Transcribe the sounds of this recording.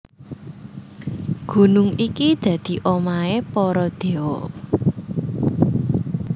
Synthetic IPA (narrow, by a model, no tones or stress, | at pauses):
ɡ̥ṳnʊŋikid̪̥ä̤d̪̥i̤ʔomaepɔɾɔd̪̥e̤wɔ